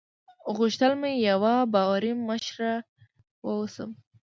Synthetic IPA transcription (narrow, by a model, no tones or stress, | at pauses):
ɣuʃt̪əlmajawabɑwaɾiməʃɾa | wəwusə̰m